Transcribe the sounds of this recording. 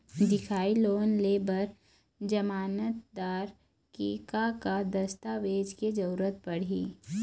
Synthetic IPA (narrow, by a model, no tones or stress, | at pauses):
d̪ɪkʰaːiloːnleːbəɾ | d͡ʒɐmaːnət̪d̪aːɾ | kiːkakad̪ɐst̪aʋeːd͡ʒked͡ʒɐɾuɾət̪̚pɐɽ̤iː